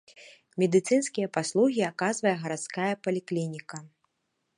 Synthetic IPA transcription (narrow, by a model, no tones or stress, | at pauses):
mʲɛd̪ɨt̪sɨnskʲijɐpaslˠuɣʲiakazvɐjɛɣɐɾat̪skajɐpɐlʲiklʲinʲikɐ